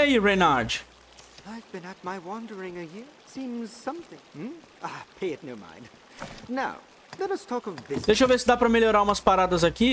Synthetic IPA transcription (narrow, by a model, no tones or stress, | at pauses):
aiɹenaɾd͡ʒ | aɪvbɨ̃nət̚maɪwɑ̃ndə˞ɪ̃ŋɨjɪɹtsĩmz̥sʌ̃mθɪ̃ŋm̩ | apʰeɪɨtⁿnoʊmã̰ɪ̃nd̥ | naʊ | lɛɾʌstʰɔkʌvðɪd̪ejʃovesɪd̪apɾɐmeloɾaɾũmɐspaɾad̪ɐzaki